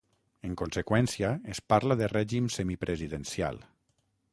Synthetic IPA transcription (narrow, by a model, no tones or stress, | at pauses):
eŋkonsekwɛnsiaespaɾlaðerɛʒimsemipɾʔeziðensja̰lˠ